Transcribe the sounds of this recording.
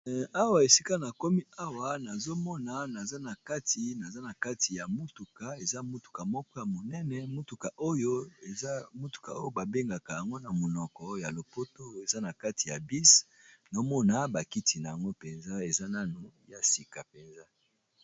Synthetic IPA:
a˦wa˨e˨si˦ka˦na˨kɔ˦mi˦a˦wa˨na˨zo˦mɔ˦na˨na˨za˦na˨ka˦tʰi˨na˨za˦na˨ka˦ti˨ja˨mo˦tu˨ka˨e˨za˦mu˦tu̥˨ka˨mɔ˦kɔ˦ja˨mo˨nɛ˦nɛ˦mo˦tu˨ka˨ʔo˦jo˦e˨za˦mo˦tu̥˨ka̰˨o˦jo˦ba˨be˦ŋɡa˨ka˨ja˨ŋɡo˦na˨mo˨nɔ˨kɔ˨ja˨lo˨po˦to˦e˨za˦na˨ka˦ti˨ja˨bi˦s | na˨o˦mɔ˦na˨ba˨ki˦ti˨na˨ja˨ŋɡo˦pe˨nza˦e˨za˦na˦nu˨ja˨si˨ka˨pe˨nza˦

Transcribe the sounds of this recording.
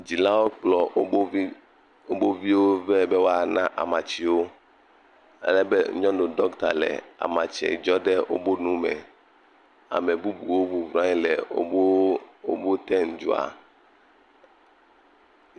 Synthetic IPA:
d͡ʑi˨la˦wo˦k͡plɔ˨˦ | o˦bo˦vi˦wo˦vɛ˦be˦wo˦a˦nã˦ʔa˨mã˨t͡ɕi˨wo˦ | a̰˦lɛ˦bɛ˦ɲɔ̃˦no˨ɖɔ˦kt̪a̰˨lɛ̰˨a̰˨mã˨t͡ʃɛ̰˨d͡ʒɔ˦ɖɛ˦wo̰˦bo˦nũ˦mɛ̰˨ | a̰˨me˨bu˦bu˨wo˦vu˨vɾã˦ɲi˦lɛ˨˦o̰˦bo˦t̪ɛ˦n̩˨d͡ʒṵ˨a̰˨

